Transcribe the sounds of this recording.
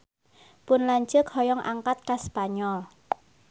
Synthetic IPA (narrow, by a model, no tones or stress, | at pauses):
pʊnlaɲt͡ʃəkhɔjɔŋʔa̰ŋkat̪̚kaspaɲɔl